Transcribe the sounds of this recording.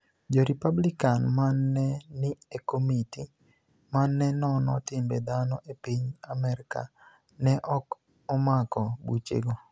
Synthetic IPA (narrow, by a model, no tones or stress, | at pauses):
d͡ʒɔɾipablikanmanːɛnɪekomiti | manːɛnɔnɔtɪmbed̪anɔʔepiɲamɛɾɪka̰ | nɛʔɔk | ɔmakɔbut͡ʃḛɡo